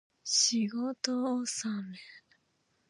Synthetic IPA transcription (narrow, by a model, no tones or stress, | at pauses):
ɕiɡot̪oːsame